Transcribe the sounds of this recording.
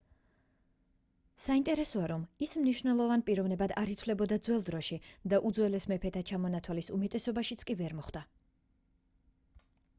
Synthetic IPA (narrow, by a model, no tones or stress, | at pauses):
saint̪ʼɛɾɛsɔaɾɔmismniʃnɛlˠɔvanpʼiɾɔvnɛbad̪aɾit̪ʰwlɛbɔd̪ad̪zwɛlˠd̪ɾɔʃid̪aʔud̪zwɛlɛsmɛpʰɛt̪ʰat͡ʃʰamɔnat̪ʰwalisumɛt̪ʼɛsɔbaʃit̪sʰkʼivɛɾmɔχd̪a